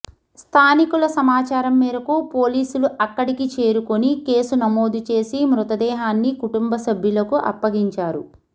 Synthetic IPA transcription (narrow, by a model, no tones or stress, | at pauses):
st̪ʰaːnikulɐsɐmaːt͡ʃaːɾɐmːɛːɾɐkupoːliːsuluʔɐkːɐɽikit͡ʃe̞ːɾukonike̞ːsunɐmo̞ːd̪ut͡ʃe̞ːsimɾut̪ɐd̪ɛːɦaːnːikuʈumbɐsɐbʱjulɐkuʔɐ̰pːɐɡiɲt͡ʃaːɾu